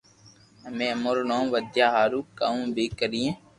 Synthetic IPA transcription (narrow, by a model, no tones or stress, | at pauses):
ɦəmẽːəmoɾnõːʋəd̪jaːɦaːɾuːkaːũːbʱiːkəɾijẽː